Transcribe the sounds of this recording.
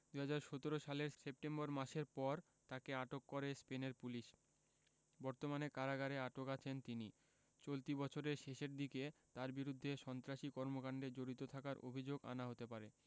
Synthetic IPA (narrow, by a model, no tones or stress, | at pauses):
d̪uɦad͡ʑaɾʃot̪oɾoʃaleɾsep̚ʈembɔɾmaʃeɾpɔɾ | t̪akeaʈokːoɾespeneɾpuliʃ | bɔɾt̪omanekaɾaɡaɾeaʈokat͡ɕʰent̪ini | t͡ɕolt̪ibɔt͡ɕʰoɾeɾʃeʃeɾd̪iket̪aɾbiɾud̪ʱːeʃɔnt̪ɾaʃikɔɾmokaɳɖed͡ʑoɾit̪ot̪ʰakaɾʔo̰bʱid͡ʑoɡa̰naɦot̪epaɾe